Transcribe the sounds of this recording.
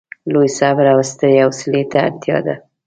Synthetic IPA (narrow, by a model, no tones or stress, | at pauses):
lojsabɾawst̪əeawslet̪ʰa̰ːɾt̪jɑ̰d̪a̰